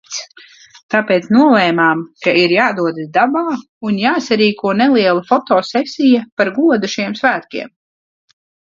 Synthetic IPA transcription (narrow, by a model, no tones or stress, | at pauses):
t̪apeːt̪snuɔlˠɛːmaːmkaiɾjaːd̪uɔd̪d̪abaː | unjaːsaɾiːkʰuɔnɛliɛlˠafɔt̪ɔːsɛsʲijapaɾɡuɔd̪uʃiɛmsvæːt̪kʲḭɛm